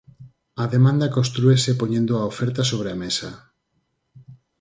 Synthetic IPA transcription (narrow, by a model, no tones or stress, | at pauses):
ɐðemãnd̪akõnst̪ɾuesepoɲẽnd̪oaofɛɾt̪asoβ̞ɾeamesa